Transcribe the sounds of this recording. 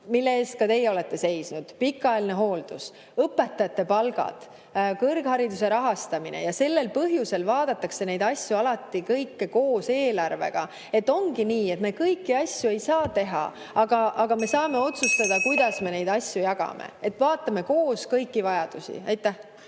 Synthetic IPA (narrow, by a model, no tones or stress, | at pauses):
milːe̞eːst̪̚kɑt̪e̞jɛo̞le̞t̪ːe̞se̞jsnud̪̥pikːˑɑelne̞ɦo̞ːld̪̥us | ɤpːˑe̞t̪ːˑɑjɑt̪ːe̞pɑlɡ̥ɑ̰d̪̥ | kɤrɡ̥hɑɾid̪use̞ɾɑɦɑst̪ɑminḛjɑse̞lːe̞lpɤɦjuse̞lvɑːd̪̥ɑt̪ːˑɑkse̞ne̞jd̪̥ɑsʲjuɑlɑt̪ˑːikɤjkːeko̞ːse̞ːlɑrve̞̰ɡ̥ɑ | e̞t̪ːˑo̞ŋɡiniːe̞t̪me̞kɤjkːiɑsʲjue̞jsɑːt̪e̞ɦɑ̰ | ɑɡ̥ɑʔɑɡ̥ɑme̞sɑːme̞o̞t̪sust̪ɑd̪̥ɑkujd̪̥ɑsme̞ne̞jd̪̥ɑsʲjujɑɡ̥ɑ̰mḛe̞t̪ːˑvɑːt̪ːˑɑme̞ko̞ːskɤjkːivɑjɑd̪̥usḭɑjt̪ːˑæh